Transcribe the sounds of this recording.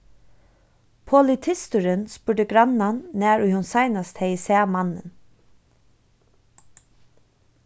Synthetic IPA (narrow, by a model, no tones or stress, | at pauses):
pʰɔlɪt̪ʰɪst̪ʊɾənspʊɹɖəɡɾananːæːɹʊjhʊnsajnast̪hɛjsɛːmanːə̰n